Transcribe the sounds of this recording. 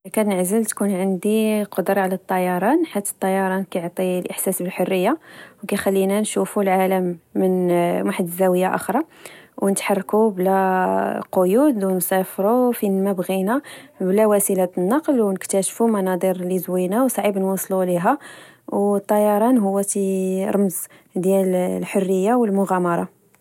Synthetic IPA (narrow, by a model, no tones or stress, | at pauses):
kænəʕzəlt̪kunʕənd̪iqod̪ɾˤɑʕlæt̪ˤːɑjɑɾˤɑnħit̪ːə̥t̪ˤːɑjɑɾˤɑnkæjoʕt̪ˤilʔəħsæsbəlħorːəjːawkæjxælːinænʃufulʕaləmːənwaħd̪əzæwəjːaʔə̰xɾˤɑwnət̪ħɑrˤːkublæ | qojud̪wnsæfɾufinmæbɣinæblæwæsilæt̪nːɑqlwnəkt̪æʃfumɑnɑd̪ˤiɾlizwinæwsˤʕibnwɑsˤluliɦæ | wt̪ˤːɑjɑɾˤɑnɦʊwːæt̪iɾˤɑməz | d̪jællħorːəjːawəlmʊɣæmɑɾˤɑ